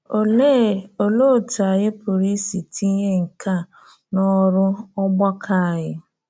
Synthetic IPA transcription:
o˨le˦˨o˨lo˦˨ta˨ɣɪ˦pʰʊ˨ɾi˦si˨tʰi˦ɲe˦ŋ̩˨kʰa˦˨ | nɔ˦ɾʊ˦ɔ˦ɡ͡ba˦kʰa˦˨ɣɪ˦

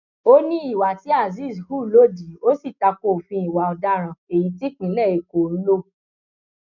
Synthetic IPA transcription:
o˦nĩ˦i˦˨wa˨ti˦a˦˨zi˦˨shu˦˨˦lo˦˨di˨˦o˦si˦˨ta˧ko˦˨fĩ˧i˨wa˨ɔ˨da˦ɾ̃ã˨e˨ji˨˦ti˦k͡pĩ˨˦lɛ˦˨e˨ko˨n̩˦lo˦

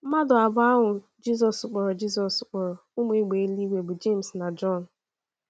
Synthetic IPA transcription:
m̩˦ma˦dʊ˨a˨bʊ˦a˦ɦʊ˨ | d͡ʒi˦s̬ɔ˨sk͡pɔ˨ɾɔ˨d͡ʒi˦s̬ɔ˨sk͡pɔ˨ɾɔ˨ʊ˦mʊ˦e˦ɡ͡be˨˦li˦we˨bʊ˨d͡ʒe˦˨m̩sna˨d͡ʒɔ˦˨n̩˨

